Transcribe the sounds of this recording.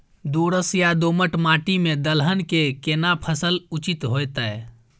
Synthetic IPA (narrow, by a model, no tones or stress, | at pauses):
d̪oːɽəsjad̪oməʈmaːʈimẽd̪əlɦənkekenapʰəsəlut͡ʃit̪ɦojt̪ə